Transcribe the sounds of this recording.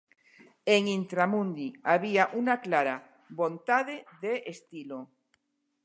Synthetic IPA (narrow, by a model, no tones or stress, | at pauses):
eŋint̪ɾamũnd̪iaβiaʔunaklaɾa | βont̪aðeðeʔest̪ilo